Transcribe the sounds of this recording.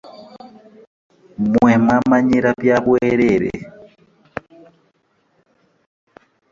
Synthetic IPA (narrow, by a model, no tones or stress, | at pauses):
mwẽmãmãɲẽɾapjaβweɾeɾḛ